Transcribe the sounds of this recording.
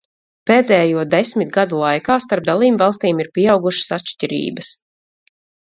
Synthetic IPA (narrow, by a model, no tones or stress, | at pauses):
peːd̪ʲɛːjuɔd̪esmʲit̪ɡad̪ulˠajkaːst̪aɾp̚d̪alˠiːbvɑlˠst̪iːmiɾpʲiawɡuʃə̥sat̪ʃtʲiɾḭːbəs